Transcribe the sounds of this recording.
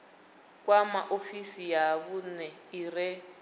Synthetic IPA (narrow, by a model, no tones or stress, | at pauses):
k̬wamaʔofisijak̬unɛirɛ